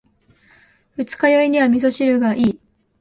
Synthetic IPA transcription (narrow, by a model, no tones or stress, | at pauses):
ɸɯ̟t͡sɨ̥kajo̞iɲ̟iβamʲizo̞ɕiɾɯɡaʔiː